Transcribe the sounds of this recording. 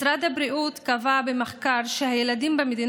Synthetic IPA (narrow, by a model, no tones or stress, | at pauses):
ɾad̪habɾiʔut̪kavabemeχkaɾʃehajelad̪imbemed̪in